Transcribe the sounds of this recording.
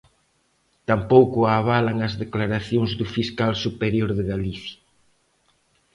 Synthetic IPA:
t̪ampowkʊaβalaŋɐzðeklaɾaθjoŋzðʊfiskalsupeɾjoɾðɪɣaliθja

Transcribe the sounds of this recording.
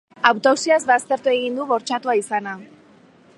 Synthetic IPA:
awt̪owsiazβast̪e̞ɾt̪ue̞ɣind̪uβo̞ɾt͡ʃat̪uaisana

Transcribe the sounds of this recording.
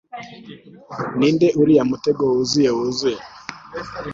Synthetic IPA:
nindɛʔuɾijamutɛɡɔuzijɛuzuɛ

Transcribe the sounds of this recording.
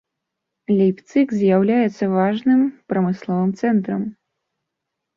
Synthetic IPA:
lʲijpt̪sɨkzʲjawlʲajɛt̪sːɐvaʐnɨmpɾɐmɨslˠɔvɨmt̪sɛnt̪ɾɐm

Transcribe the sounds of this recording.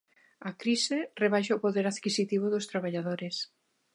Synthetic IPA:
akɾisereβajʃaʊpoðeɾaðkisit̪iβʊðʊst̪ɾaβaʎaðoɾɪs

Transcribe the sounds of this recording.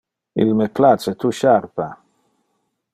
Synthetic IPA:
ḭlmeplat͡ʃet̪uʃarpa

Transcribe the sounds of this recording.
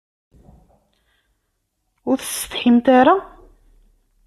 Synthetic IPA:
ʊɾθə̥sə̥t̪ħimt̪aɾa

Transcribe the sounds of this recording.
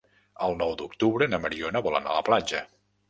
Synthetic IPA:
əlˠnɔwd̪ukt̪uβɾənəməɾionəβɔlˠə̰na̰ləplad͡ʒə

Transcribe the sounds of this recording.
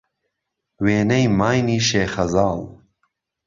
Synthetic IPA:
weːnɐjmaːjniːʃeːxɐzɑːl

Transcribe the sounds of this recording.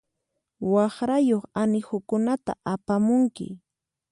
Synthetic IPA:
wɑχɾajoχanɪxʊkʊnat̪a̰ʔapamʊŋkɪ̰

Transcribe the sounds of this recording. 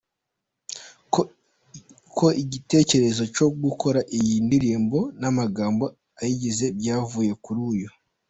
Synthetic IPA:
kʰo̞ʔiɟite̞ːce̞ɾe̞zo̞co̞ɡukʰo̞ɾaʔijindiɾiːmbo̞namaɡaːmbo̞ | ajiɟize̞bɟaːvuːje̞kuɾuːjo

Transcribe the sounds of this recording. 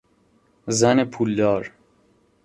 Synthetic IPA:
zænepʰuːld̪ɒːɾ

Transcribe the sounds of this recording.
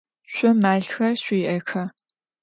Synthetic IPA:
ɕʷʼʊmaːɮxɐrɕʷiːʔɐxɐ

